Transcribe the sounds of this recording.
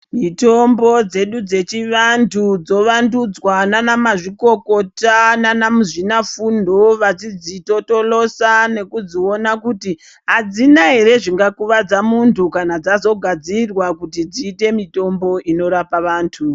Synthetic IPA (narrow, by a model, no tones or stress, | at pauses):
mito̞mbo̞d͡ze̞ɗud͡ze̞t͡ʃiʋantʰud͡zo̞ʋandud͡zwananamaʐiko̞ko̞tananamuʐinafundʱo̞ʋat͡sid͡zito̞to̞lo̞sane̞kud͡zio̞nakuti | ɦad͡zinaɦe̞ɾe̞ʐiŋɡakuʋad͡zamuntʰukanad͡zazo̞ɡʱad͡zirwakutid͡ziːte̞mito̞mbo̞ʔino̞ɾapaʋaːntʰu